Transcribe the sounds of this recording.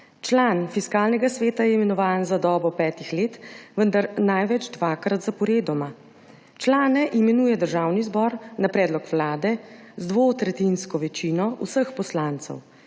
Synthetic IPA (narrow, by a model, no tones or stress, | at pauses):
t͡ʃlanfiskaːlnɛɡasʋeːt̪ajɛimɛnɔʋaːnzad̪ɔːbɔpɛːt̪ixleːt̪ʋənd̪aɾnajʋɛd͡ʒd̪ʋaːkɾat̪zapɔɾeːd̪ɔma | t͡ʃlaːnɛʔimɛnuːjɛd̪əɾʒaːwnizbɔːɾnapɾɛːd̪lɔkʋlaːd̪ɛzd̪ʋot̪ɾɛt̪inskɔʋɛt͡ʃiːnɔusəxpɔslaːnt̪sɛ̰w